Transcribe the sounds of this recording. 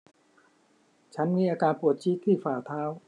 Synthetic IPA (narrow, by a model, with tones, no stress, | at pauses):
t͡ɕʰa˦˥nmiː˧˥ʔaː˧kaː˧npu˨˩ət̪̚t͡ɕʰi˦˥t̪ʰːiː˥˩faː˨˩t̪ʰaː˦˥˩w